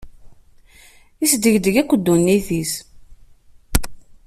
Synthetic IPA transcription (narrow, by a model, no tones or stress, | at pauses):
isd̪əʝd̪əʝækʷːəd̪ːunːiθis